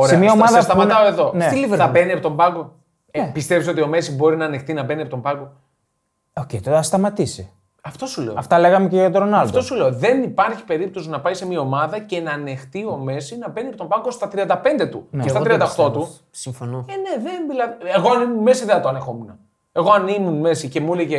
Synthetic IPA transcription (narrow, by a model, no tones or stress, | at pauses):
oɾeeɐmɐomɐðɐɐst̪ɐmɐt̪ɐoeðo̞neliveɾɐbeniɐpot̪o̞mbɐɡo | pist̪e̞pso̞t̪io̞me̞sibo̞ɾinɐːne̞xt̪inɐbe̞niɐpot̪ombɐɡo̞ | ocejt̪oɐst̪ɐmɐt̪isi | ɐft̪o̞sule̞o̰ɐft̪ɐle̞ɣɐmeceʝɐt̪oɾonɐlɐdft̪o̞suleoðe̞nipɐɾçi̥pe̞ɾip̚t̪o̞sinɐpɐisemiɐomɐðɐce̞nɐːne̞xt̪io̞me̞sinɐbeniɐpot̪o̞mbɐɡo̞st̪ɐt̪ɾiɐnd̪ɐpe̞nd̪e̞t̪unest̪ɐɾiɐɐd̪ɐt̪o̞t̪u | siɱfonoene̞ðenvilɐeɣo̞ɐnimunme̞siðenɐt̪oɐne̞xo̞menɐ | e̞ɣo̞ɐnimunme̞sice̞muleʝe